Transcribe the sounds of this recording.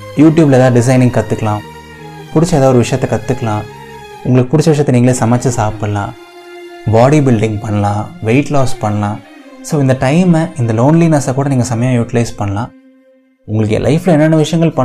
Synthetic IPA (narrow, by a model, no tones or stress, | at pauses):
juːʈjuːblɐːðaːɖɪs̬ɐɪnɪŋkɐt̪ːɯkːɐlãː | pʊɽɪt͡ʃːɐɛːðaːðʋɔɾɯʋɪʂɐjɐt̪ːɛkɐt̪ːɯkːɐlãː | ʊ̰ŋɡɐɭɯkːɯpʊɽɪt͡ʃːɐʋɪʂ̬ɐjɐt̪ːniːŋɐɭeːsɐmaːt͡ʃːɐsaːpɯlã̰ː | baːɽibɪlɖɪ̃ŋɡ̚pɐɳːɐlãːʋeɪʈlɔːspɐɳːɐlãːsoːɪnd̪ɐʈɐɪmɪnd̪ɐloːnliːnɐsakuːɽɐniːŋɡɐsɐmɐjãːjuːʈɪlɐɪspɐɳːɐlãː | ʊŋɡɐɭɯkːḛlʔɐ̰ɪflɐɛnːɛnːɐʋɪʂɐjɐŋɡɐɭpɐɳ